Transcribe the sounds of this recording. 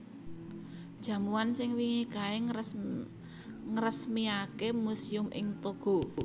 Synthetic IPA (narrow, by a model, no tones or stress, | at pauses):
d̥ʒ̥ä̤muwansɪŋwiŋikae | ŋəɾəsmiakemusiʊmʔɪ̰ŋt̪oɡ̥o̤